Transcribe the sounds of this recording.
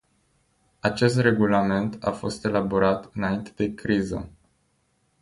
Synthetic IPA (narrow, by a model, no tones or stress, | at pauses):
at͡ʃe̞st̪re̞ɡulame̞nt̪a̰fo̞st̪e̞laboɾat̪ɨnaint̪e̞d̪e̞kɾizə̰